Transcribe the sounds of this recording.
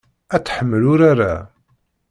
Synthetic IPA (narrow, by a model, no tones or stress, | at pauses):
æt͡sːħəmːəlʊɾaɾa̰